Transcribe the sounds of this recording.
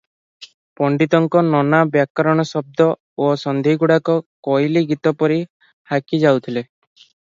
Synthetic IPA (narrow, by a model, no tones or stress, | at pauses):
pɔɳɖit̪ɔŋkɔnɔnabjakɔɾɔɽ̃ɔsɔb̚d̪ɔ | osɔnd̪ʱiɡuɽakɔkɔjliɡit̪ɔpɔɾi | hakid͡ʒawt̪ʰile